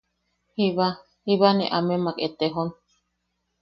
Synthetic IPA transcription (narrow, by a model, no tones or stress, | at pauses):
hiβa | hiβanḛʔamemaket̪eɦon